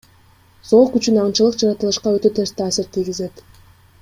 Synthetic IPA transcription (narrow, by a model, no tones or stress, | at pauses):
zo̞qyt͡ʃynɑɴt͡ʃɯlˠɯqd͡ʒɑɾɑt̪ɯlˠɯʃqɑø̞t̪ø̞t̪ʰe̞ɾst̪ʰaːsiɾt̪ʰijɡize̞t̪